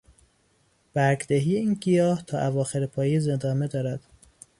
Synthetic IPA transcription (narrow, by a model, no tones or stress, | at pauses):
b̥æɾɡd̪æɦijeiːnɡijɒːht̪ʰɒːʔævɒːxeɾepʰɒːjezend̪ɒːme̞d̪ɒːɾæd̪̥